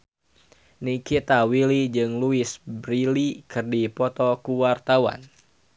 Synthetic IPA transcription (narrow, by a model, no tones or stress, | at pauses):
nikit̪awilid͡ʒɨŋluisbɾilikɨrdipɔt̪ɔkuwart̪awa̰n